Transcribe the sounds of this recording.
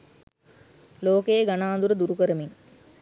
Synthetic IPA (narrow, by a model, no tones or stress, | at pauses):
loːkejeɡanaːnd̪uɾəd̪uɾukəɾəmiŋ